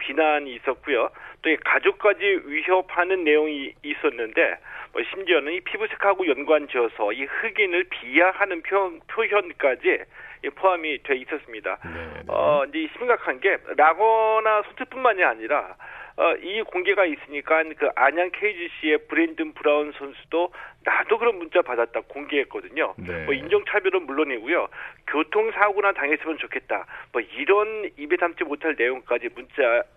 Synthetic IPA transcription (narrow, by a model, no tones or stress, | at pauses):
pinaɲiːs͈ʌt̚k͈ujot͈oekad͡ʑok̚k͈ad͡ʑiɥiɦjʌp̚hanɯnːe̞joŋiːs͈ʌnːɯnde̞̰mʌɕʰimd͡ʑiʌnɯnipʰibusʰe̥kʰaɡojʌnɡwand͡ʑiʌsʰʌihɯɡinɯɭpijahanɯnpʰjʌnpʰjoɦjʌnk͈ad͡ʑiipʰoamitwe̞is͈ʌs͈ɯmɲida̰nʌ̰ind͡ʑe̞iɕʰimɡakʰanɡe̞ɾaɡʌnasʰʌntʰɯp͈unmaɲiaɲiɾaʌ̰ʔikoŋɡe̞ɡais͈ɯɲik͈ankɯʔaɲankʰeid͡ʑɯɕ͈ie̞pɯɾe̞ndɯnpuɾaunsʰʌnsʰu̥d̥onadokɯɾʌnmunt͡ɕ͈apadat̚t͈aɡkoŋɡe̞ɦek͈ʌdɯɲonmʌind͡ʑʌŋt͡ɕʰabjʌɾomuɭːonɦiɡujokjotʰoŋsʰaɡunataŋe̞s͈ɯmjʌnt͡ɕokʰe̞t̚t͈a̰mʌiɾʌnibesʰamt͡ɕʰimotʰaɭne̞joŋk͈ad͡ʑimunt͡ɕ͈a